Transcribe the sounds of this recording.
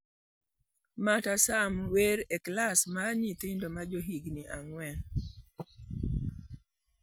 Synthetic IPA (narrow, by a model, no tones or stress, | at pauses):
matasamweɾeklasmaɲit̪ɪndomad͡ʒoɦiɡniʔaŋwɛn